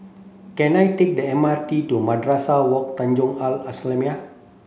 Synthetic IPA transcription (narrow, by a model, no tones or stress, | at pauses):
kɛnajt̪ik̚dəɛmart̪idomadɾasawɔk̚t̪aɲd͡ʒʊŋalaslɛmia